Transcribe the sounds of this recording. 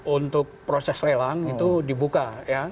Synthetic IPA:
unt̪ʊk̚pɾosɛslelaŋit̪udibukaja

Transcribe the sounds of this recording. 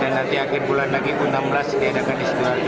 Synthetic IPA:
danːant̪iaɡiɾbulanlaɡiʔunamblasɡadakanist̪ial

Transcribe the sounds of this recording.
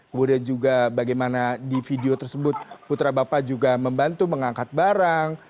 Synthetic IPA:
kəmudiand͡ʒuɡabaɡajmanadifideot̪ərsəbʊt̪̚put̪ɾabapad͡ʒuɡaməmbant̪uməŋaŋkat̪̚baɾaŋ

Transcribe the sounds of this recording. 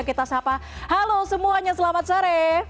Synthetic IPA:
kit̪asapahalosəmuaɲasəlamat̪̚saɾe

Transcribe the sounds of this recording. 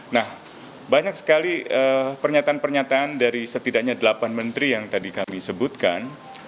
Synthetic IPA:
nah | baɲak̚sə̥kaliʔəpərɲat̪aːnpərɲat̪aːndaɾisət̪idak̚ɲadəlapanmənt̪ɾijaŋt̪adikamisəbut̪̚kan

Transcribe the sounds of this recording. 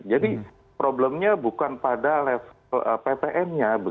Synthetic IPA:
d͡ʒadi | pɾobləmɲabukanpadalɛf | lə̰pepeʔɛnɲabə

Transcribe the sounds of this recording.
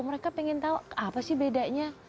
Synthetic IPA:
məɾekapiŋɪnt̪auapasɪhbedaʔɲa

